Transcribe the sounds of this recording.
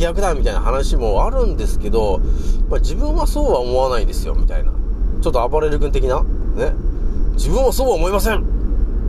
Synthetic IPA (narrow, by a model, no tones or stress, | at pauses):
iakɯd̪amʲit̪aina̰ɦanaɕimo̞aɾɯ̟̃nd̪e̞sɨ̥ke̞d̪o̞mad͡ʑibɯ̟̃ɰ̃aso̞ːβaomo̞anaĩnd̪e̞sɨjo̞̰mʲḭt̪a̰ina̰t͡ɕo̞t̪ːoabaɾe̞ɾɯ̟kɯ̃nt̪̬e̞kʲinane̞d͡ʑibɯ̟̃ɰ̃βaso̞ːβaomo̞imasẽ̞ɴ